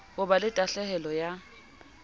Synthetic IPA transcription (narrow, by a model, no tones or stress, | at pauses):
hʊbalɪtʼaɬɛhɛlɔja